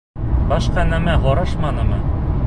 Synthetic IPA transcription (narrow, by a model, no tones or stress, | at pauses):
bɑʃqɑnæmæɦoɾɑʃmɑnɤ̆mɤ